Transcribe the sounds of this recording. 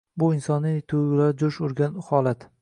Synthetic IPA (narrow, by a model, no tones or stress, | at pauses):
bʊɪnsɒnːɪt̪ʰolaɾɪd͡ʒʊʃʊɾɡʲanhɒlat̪